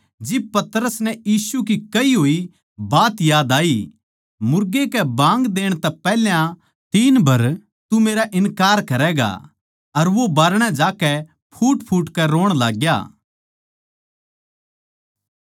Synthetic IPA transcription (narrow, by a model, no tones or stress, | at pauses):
d͡ʒɪb̚pɐt̪ɾəsnɛjiːsukikɐiɦoːi | baːt̪jaːd̪aːi | mʊɾɡekɛbãːŋɡd̪eːɽ̃t̪ɛpɛːljã | t̪iːnbɐɾ | t̪umeːɾaʔɪnkaːɾkɐɾɛɡa̰ | ɐɾʋobaːɾɽ̃ɛd͡ʒaːkɛ | pʰuːʈpʰuːʈkɛɾoːɽ̃la̰ːɡja̰ː